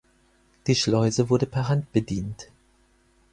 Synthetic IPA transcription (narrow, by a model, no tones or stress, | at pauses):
d̥iːʃlɔʏzəvʊɐdəpʰɛɐʁɦant̚b̥ədiːnt